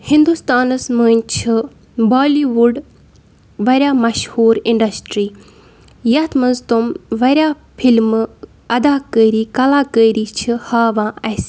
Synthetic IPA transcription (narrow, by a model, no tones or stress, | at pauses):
hĩnd̪ust̪aːnɨsməːnʲt͡ʃʰi | baːliʋuɖ | ʋɐɾʲjaːmɐʃhuːɾiɳɖɐsʈɾiː | jɐt̪ʰmɐnzt̪umʋɐɾʲjaː | pʰilm | ɐd̪aːkəɾiːkɐlaːkəiɾiːt͡ʃʰihaːʋãːɐs